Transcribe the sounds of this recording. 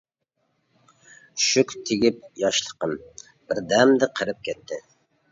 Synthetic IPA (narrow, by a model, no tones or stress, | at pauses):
ʃykʲt̪ʰɪɡʲip̚jɑʃlˠə̥qən | b̥ɪɾd̪ɛmd̪ɪqʰəɾɨp̚kʲʰɛt̪ʰːɪ